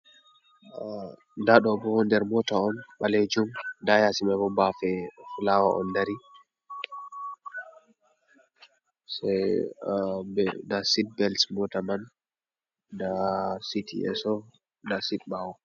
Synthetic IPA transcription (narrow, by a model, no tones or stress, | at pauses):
ndaɗɔbɔhɔndɛɾmɔtaɔnɓaled͡ʒumdajasimabɔbafɛfulawaʔɔ̰ndaɾi | saj | bɛdasid̚bɛlsmɔtaman | dasitʰḭɛ̰sɔ | dasitɓawɔ